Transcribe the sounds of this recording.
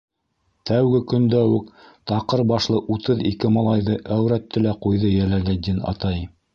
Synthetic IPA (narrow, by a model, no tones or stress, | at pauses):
t̪æwɡɘkɵ̆nd̪æwʉkt̪ɑqɤɾbɑʃlˠɤʔut̪ɤðikɘmɑlˠɑjðɤʔæwɾæt̪ːɘ̆læqujðɤjælæɡæd̪inɑ̰t̪ɑj